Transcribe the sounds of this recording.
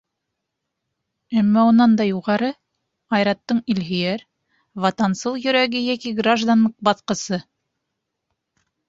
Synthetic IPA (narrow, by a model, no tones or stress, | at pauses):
æmːæunɑnd̪ɑjuʁɑɾɤ | ɑjɾɑt̪ːɤɴilɦĭjæɾ | vɑt̪ɑnsɤlˠjɵ̆ɾæɡɘjækiɡraʒd̪anːɤq̚bɑθqɤ̆sɤ